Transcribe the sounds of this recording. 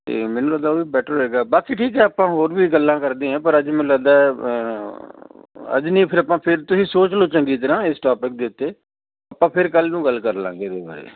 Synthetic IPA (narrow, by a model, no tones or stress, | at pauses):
t̪ḛːmɛːnũləɡd̪aːoːiːbɛːʈəɾoɦeːɡaːbaːkiːʈʰiːkɛːaːpãːɦoːɾbiːɡəlːãːkəɾd̪ĩːɦɛ̃ːpəɾəd͡ʒmɛ̃ːnũːləɡd̪aːɛ | ə̰d͡ʒnĩːpʰɪɾəpãːpʰɪɾt̪ʊsĩːsoːt͡ʃloːt͡ʃəŋɡiːt̪əɾãːɪsʈaːpɪk̚d̪eːʊt̪ːeː | əpãːpʰɪɾkəlnũːɡəlːkəɾlã̰ːɡeːd̪eːba̰ːɾḛː